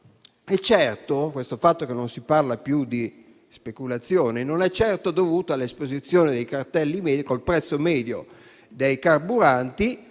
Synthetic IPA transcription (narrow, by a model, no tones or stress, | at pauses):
ɛt͡ʃːɛrt̪okwest̪ofat̪ːokenːonsiparlapjud̪i | spekulat̪sːjoːnenonɛt͡ʃːɛrt̪od̪ovuːt̪oalːespozit̪sːjoːned̪ejkart̪ɛlːimɛːd̪kolpɾɛt̪sːomɛːd̪jo̰ | d̪ejkarbuɾant̪i